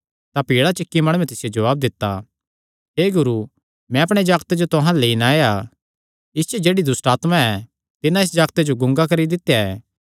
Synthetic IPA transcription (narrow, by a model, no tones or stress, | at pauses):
t̪apiːɭat͡ʃɪkːimɐɽ̃uːɛ̃t̪ɪsɪjod͡ʒɐʋaːb̚d̪ɪt̪ːa | ɦeːɡʊɾu | mɛ̃ɐpɽ̃ed͡ʒaːɡt̪ed͡ʒot̪ʊɦãleinaːja | ɪst͡ʃɛd͡ʒeːɽid̪ʊsʈaːt̪mãɛ | t̪ɪnãɪs̬d͡ʒaːɡt̪ed͡ʒoɡʊ̃ŋɡakɐɾid̪ɪt̪ːejaɛː